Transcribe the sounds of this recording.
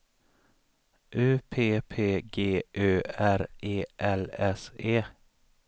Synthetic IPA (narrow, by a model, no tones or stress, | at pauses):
ʔʉːpʰeːpʰeːɡeːʔøːæɾeːʔɛlɛseː